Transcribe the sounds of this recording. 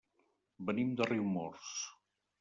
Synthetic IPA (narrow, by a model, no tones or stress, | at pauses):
bənimd̪əriwmɔɾs